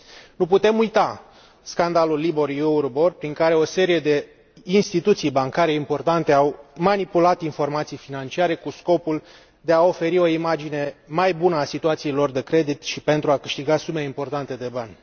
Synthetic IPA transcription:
nuput̪e̞mujt̪a | skand̪alulːiborjuurborpɾiŋkaɾe̞o̞se̞ɾije̞d̪e̞ | inst̪it̪ut̪sijbaŋkaɾe̞impo̞rt̪ant̪e̞awmanipulat̪info̞rmat̪sijfinant͡ʃiaɾe̞kusko̞pul | d̪e̞ao̞fe̞ɾio̞imad͡ʒine̞majbunəasit̪uat̪sielo̞rd̪e̞kɾe̞d̪it̪ʃipe̞nt̪ɾuakɨʃt̪iɡasume̞impo̞rt̪ant̪e̞d̪e̞banʲ

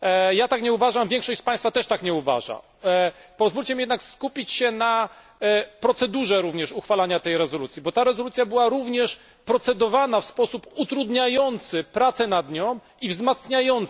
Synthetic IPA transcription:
jat̪akɲɛuvaʐamvʲjɛŋkʂɔɕt͡ɕpaj̃st̪fat̪ɛʂt̪akɲɛuva̰ʐa̰ | pɔzvulʲt͡ɕɛmʲijɛd̪nakskupʲit͡ɕɕɛna | pɾɔt̪sɛd̪uʐɛɾuvɲɛʂuxfalaɲat̪ɛjɾɛzɔlut̪sʲjibɔt̪aɾɛzɔlut̪sʲjabɘwaɾuvɲɛʂ | pɾɔt̪sɛd̪ɔvanafspɔsuput̪ɾud̪ɲajɔnt̪sɘpɾat̪sɛnad̪ɲɔ̃w̃ | ivzmat̪sɲajɔnt̪

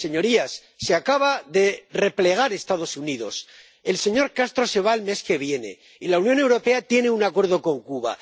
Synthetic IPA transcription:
se̞ɲo̞ɾiasːeakaβaðe̞re̞ple̞ɣ̞aɾe̞st̪aðo̞suniðo̞̰s | e̞lse̞ɲo̞ɾkast̪ɾo̞se̞β̞aelme̞ske̞βje̞ne̞̰ | ilaunjõ̞ne̞wɾo̞pe̞at̪je̞ne̞unakwe̞ɾð̞o̞ko̞ŋkuβa̰

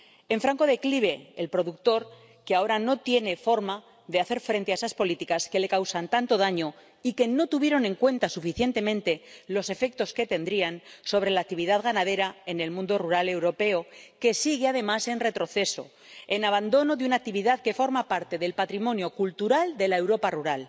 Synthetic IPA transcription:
e̞ɱfɾaŋko̞ð̞e̞kliβe̞ːlpɾo̞ðuk̚t̪o̞ɾ | keao̞ɾano̞t̪je̞ne̞fo̞ɾma | ðeaθe̞ɾfɾe̞nt̪eaesaspo̞lit̪ikaske̞le̞kawsant̪ant̪o̞ð̞aɲo̞ | ike̞no̞t̪uβje̞ɾo̞nẽ̞ŋkwe̞nt̪asufiθje̞nt̪e̞mẽnt̪e̞lo̞se̞fe̞k̚t̪o̞ske̞t̪e̞nd̪ɾianso̞β̞ɾe̞lak̚t̪iβiðaðɣanað̞e̞ɾae̞ne̞lmũnd̪o̞ruɾale̞wɾo̞pe̞o̞ke̞siɣ̞eað̞e̞mase̞nre̞t̪ɾo̞θe̞so̞̰ | enaβand̪o̞no̞ðeunak̚t̪iβiðaðke̞fo̞ɾmapaɾt̪e̞ðe̞lpat̪ɾimõ̞njo̞kult̪uɾald̪e̞lae̞wɾo̞paruɾal

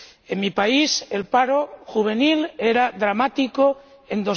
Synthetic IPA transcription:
eŋmipaise̞lpaɾoxuβ̞e̞nile̞ɾaðɾamat̪iko | end̪o̞

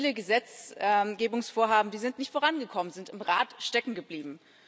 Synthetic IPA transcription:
ləɡəzɛt͡sɛɡeːbʊŋsfoːɐɦaːbm̩diːzɪntnɪçtfoːʁanɡəkʰɔmənzɪntɪmʁaːtʃtɛkŋ̩ɡəbliːbm̩

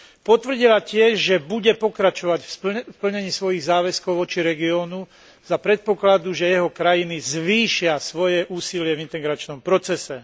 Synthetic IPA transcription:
pɔt̪vr̩ɟilacɪɛʒʒɛbuɟɛpɔkɾat͡ʃɔʋaɟffpl̩ɲɛɲiːsʋɔjiɣzaːʋɛskɔʊʋɔt͡ʃiɾɛɡiɔːnu | z̥apɾɛt̪̚pɔklad̪uʒɛjɛɦɔkɾajinizʋiːʃɪasʋɔjɛʔuːsilɪɛvint̪ɛɡɾat͡ʃnɔmpɾɔt͡sɛsɛ

